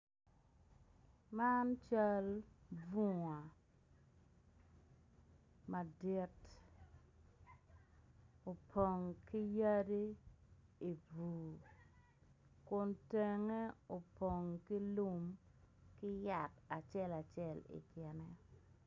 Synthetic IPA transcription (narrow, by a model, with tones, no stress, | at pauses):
ma˦nt͡ʃa˦lvu˦ŋa˨ | ma˨di˦t | o˨pʰo˨ŋki˦ja˦di˦ | i˨buː˨ | kʊ˨nte˨ŋe˦o˨po˨ŋki˦lu˦mkɪ˦ja˨ta˨t͡ʃɛ˦la˨t͡ʃɛ˦˨lḭ˨kjɛ˨nɛ˦